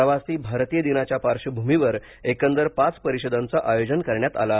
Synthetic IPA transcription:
əʋasiːbʱaɾt̪iːjəd̪inat͡ɕjapaɾʂəbʱumiʋəɾ | ekənd̪əɾpat͡spəɾiɕod̪ant͡saʔajod͡ʑənkəɾɳjat̪a̰la

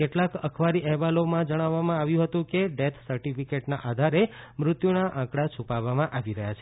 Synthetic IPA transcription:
keʈlakəkʰʋaɾiʔɛɦʋalomãd͡ʒəɽ̃aʋːamãaʋjũɦət̪ũkeɖet̪ʰsəɾʈifikeʈnaʔad̪ʱaɾemɾʊt̪junaʔãkɽat͡ʃʰupaʋamãʔaʋiɾəɦjat͡ʃʰe

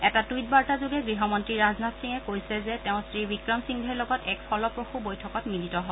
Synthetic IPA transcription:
ɛtatujt̚baɹtazuɡɛɡɹiɦɔmɔntɹiɹaznatsiŋɛkojsɛzɛtɛʊ̃sɹibikɹamsiŋdʱɛɹlɔɡɔtɛkpʰɔlɔpɹoxubojtʰɔkɔtminitɔɦɔ

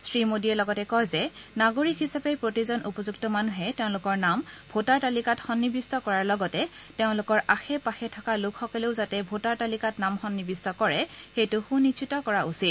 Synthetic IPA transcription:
sɹimodiɛlɔɡɔtɛkɔjzɛnaɡoɹikɦisapepɹotizɔnʔupɔzuktɔmanuɦɛteʊ̃lʊkɔɹnambʱotaɹtalikatxɔnːibistɔkɔɹaɹlɔɡɔtɛtɛʊ̃lʊkɔɹʔaxɛpaxɛtʰɔkalʊkʰxɔkɔleʊzatɛbʱotaɹtalikatnamxɔnːibistɔkɔɹɛxejtʊxũnːisʰitɔkɔɹaʔusit̚

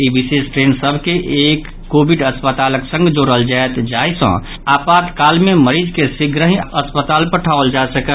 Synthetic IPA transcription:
ibisesʈɾensəbʱkeʔekːobiɖəspət̪aləksə̃ŋɡd͡ʒoɾəld͡ʒaet̪d͡ʒajsə̰̃ | apat̪kalmeməɾid͡ʒkesiɡɾəɦĩəspət̪alpəʈʰaəld͡ʒasəkə

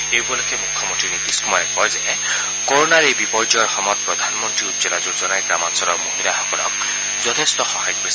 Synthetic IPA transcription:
ewbɔlɔkʰemukʰːɔmɔntɹinit̪iskumɔɹɛkɔjzɛ | koɹonaɹejbipɔɹd͡ʒɔɹxɔmɔt̪̚pɹɔd̪ʱanmɔntɹiutd͡ʒɔlazuzɔnajɡɹamansɔlɔɹmoɦilaxɔkɔlɔ̰k̚ | zɔt̪ʰestɔxɔɦajɔk̚bes

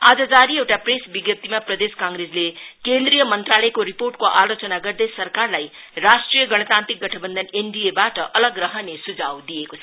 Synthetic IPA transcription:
ad͡zʌd͡zaɾiewʈapresbiɡjʌp̚t̪imaprʌd̪eskãŋɡɾed͡zlekend̪rijʌmʌnt̪ralʌjkoɾiporʈkoʔalot͡sʌnaɡʌrd̪ʌjsʌrkarlaj | rasʈrijʌɡʌɽ̃ʌt̪ant̪rik̚ɡʌʈʰʌbʌnd̪ʱʌneɳɖiebaʈʌʔʌlʌɡrʌɦʌnesud͡zawd̪iekot͡sʰʌ

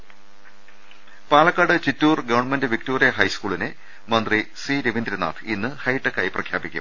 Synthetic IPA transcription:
paːlɐkːaːɽɨt͡ɕitːuːrɡɐʋɐɳmendɨʋik̚toːrijɐɦɐjskuːɭinɨ | mɐnd̪risiːɾeʋind̪ɾɐna̰ːt̪ʰinːɨhɐjʈːɐkːaːjiprɐkʰjaːbikʲːṵm

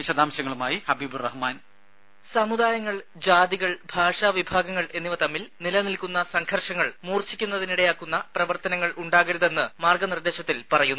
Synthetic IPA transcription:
ʋiɕɐd̪aːmɕɐŋːɐɭumaːjihɐbiːburɐhmaːn | sɐmud̪aːjɐŋːɐɭ | d͡ʑaːd̪iɣɐɭbʱaːʂaːʋibʱaːɡɐŋːɐɭe̞nːiʋɐt̪ɐmːilnilɐnilkunːɐsɐŋɡʰʱɐrʂɐŋːɐɭmuːrt͡ɕikʲːunːɐðiniɽejaːkːunːɐprɐʋɐrt̪ɐnɐŋːɐɭʔuɳɖaːɣɐɾuðe̞nːɨmaːrɡɐnird̪e̞ːɕɐt̪ːilpɐrɐjunː

